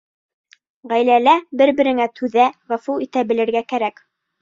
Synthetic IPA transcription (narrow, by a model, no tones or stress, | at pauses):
ʁæjlælæbɘɾbɘ̆ɾɘ̆ŋæt̪ʰʉðæʁæfuit̪æbɘ̆lɘ̆ɾɡækæɾæk